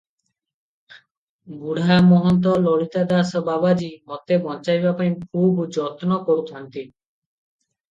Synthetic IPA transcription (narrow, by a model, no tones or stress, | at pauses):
ɡuɽamɔɦɔnt̪̬ɔlɔɽit̪ad̪asɔbabad͡ʒimɔt̪ebɔnt͡ʃajbapaĩkʰubd͡ʒɔt̪nɔkoɾut̪ʰɔnt̪i